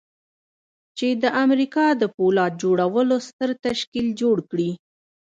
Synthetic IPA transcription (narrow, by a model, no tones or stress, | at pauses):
t͡ʃed̪əʔamɾikɑd̪əpolɑt̪̚d͡ʒoɽawəlost̪əɾt̪aʃkild͡ʒoɽkɽi